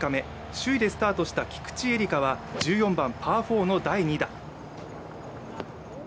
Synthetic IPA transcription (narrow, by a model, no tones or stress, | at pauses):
kame̞ | ɕɨid̪e̞sɨ̥t̪aːt̪o̞ɕi̥t̪akʲi̥kɯ̥t͡ɕie̞ɾʲikaβad͡ʑɨːjõ̞mbãmpʰaːɸo̞ːno̞d̪aiɲ̟id̪a